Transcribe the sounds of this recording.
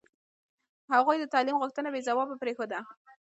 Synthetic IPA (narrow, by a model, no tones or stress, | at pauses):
haɣujd̪ət̪ɑlimɣʊxt̪ənabezawɑbapɾexod̪a